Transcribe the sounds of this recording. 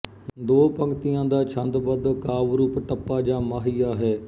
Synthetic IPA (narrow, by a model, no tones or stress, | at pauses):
d̪oːpəŋɡt̪ijãːd̪aːt͡ʃʰənd̪bəd̪kaːʋɾuːpʈəpːaːd͡ʒãːmaːɦijaːɦɛː